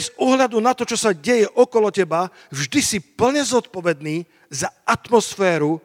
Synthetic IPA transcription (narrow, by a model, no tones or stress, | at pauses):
zuɦʎad̪unat̪ɔt͡ʃɔsaɟɛjɛʔɔkɔlɔcɛba | vʒd̪isipl̩ɲɛzɔt̪pɔʋɛd̪̚niː | zaat̪mɔsfɛːɾu